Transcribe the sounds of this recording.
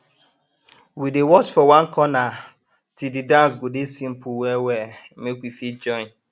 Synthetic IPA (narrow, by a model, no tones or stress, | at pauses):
widewɔt͡ʃfɔwãnkʰɔna | tididãns̬ɡodesĩm̩puwɛwɛ | mekwifit̚d͡ʒɔ̃ɪ̃n